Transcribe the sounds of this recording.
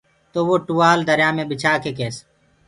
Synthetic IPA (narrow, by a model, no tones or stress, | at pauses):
t̪oːʋoːʈuːaːld̪əɾjaːmẽːbɪt͡ʃʰaːkeːkeːs